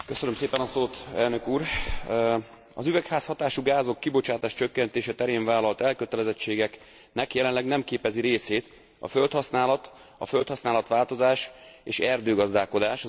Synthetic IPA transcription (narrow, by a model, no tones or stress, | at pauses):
køsønømseːpɛnɒsoːt̪ɛlnø̞kuːr | ɒzyvɛkhaːshɒt̪aːʃuɡaːzo̞kːibo̞t͡ʃaːt̪aːʃt͡ʃø̞kːɛnt̪eːʃɛt̪ɛɾeːɱvaːlɒlt̪ɛlkøt̪ɛlɛzɛt͡ʃːeːɡɛk | nɛkjɛlɛnlɛɡnɛmkeːpɛziɾeːseːt̪ | ɒ̰fø̞lt̪hɒsnaːlɒt̪ | ɒ̰fø̞lt̪hɒsnaːlɒt̪ʋaːlt̪o̞zaːʃeːʃɛrd̪øːɡɒzd̪aːko̞d̪aːʃ